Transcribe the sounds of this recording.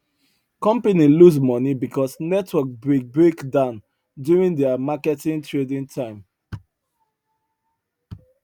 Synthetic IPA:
kɔ̃mpeniluzmɔnibikɔsnɛtʰwɔk̚bɹekbɹekdãʊ̃n | djuɹĩndɛamakɛtĩŋtʰɹedĩntʰãɪ̃m

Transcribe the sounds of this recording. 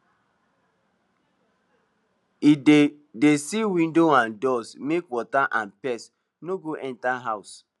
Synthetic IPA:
ide | desiwĩndoãndɔsmekwɔtaʔãnpɛs | noɡoʔɛ̃ntaɦaʊs

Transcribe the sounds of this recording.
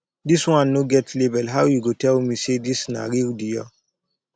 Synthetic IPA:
diswãnːoɡɛtʰlebɛlɦawjuɡotɛlmisedisna̰ɾildijɔ

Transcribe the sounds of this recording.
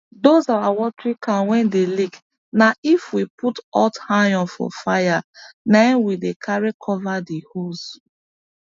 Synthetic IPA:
dozawawɔtɹikʰãnwɛ̃ndelik | naifwipʰutɔthajɔ̃nfɔ̰fajanãnwidekʰaɹikʰɔvadihos

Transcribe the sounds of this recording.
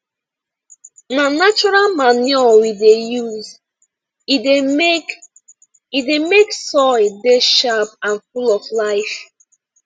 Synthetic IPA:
nanat͡ʃɔɹalmaniɔwidejuz | ide | idemeksɔɪdeʃapãnfulɔflaɪf

